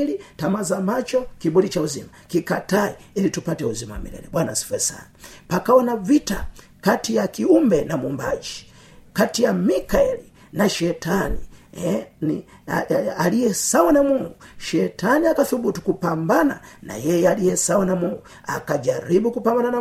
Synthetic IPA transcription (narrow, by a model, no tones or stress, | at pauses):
litamazamat͡ʃɔkibudit͡ʃauzimakikataiilitupatɛuzimawa̰mḭlɛ̰lɛɓwana̰si̥fɛsa̰napakaɔnavita | katijakiumbɛnamumbad͡ʒi̥ | katijamikaɛli | naʃɛtanihɛni | alijɛsawanamuŋɡuʃɛtaniakaθubutukupambana̰na̰jɛjɛalijɛsawanamuŋɡu | a̰kad͡ʒaɾibukupambanana